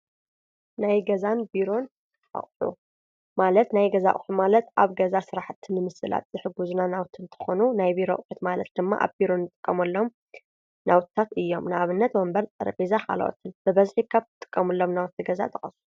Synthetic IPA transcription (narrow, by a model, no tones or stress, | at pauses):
najɡɐzanbiɾo̞n | ʔa̰χʼħṵ | malɐt̪najɡɐza̰χʼħumalɐt̪ʔaβɡɐzasɨɾaħt̪ʰːɨnːɨmɨsɨla̰t̪̚zɨħɨɡuznanawt̪ʰɨnt̪ʰɨ̥xonunajbiɾo̰χʼħut̪malɐt̪̚d̪ɨmːa̰ʔa̰βbiɾo̞nːɨt̪ʼɨkʼːɐmɐlːo̞m | nʔawtt̪ʰːat̪ɨjːo̞mnɨaβɨnːɐt̪mɐmbɐɾt͡sʼɐ̰ɾɐpʼizakʰa̰l̰ʔo̰t̪ʰɨnbɨβɐzħiβkʰaβt̪ʰɨ̥t̪ʼɨ̥kʼːɐmɐlːo̞mnawt̪ʰːiɡɐza̰t̪ʰʼɐχʼɐsu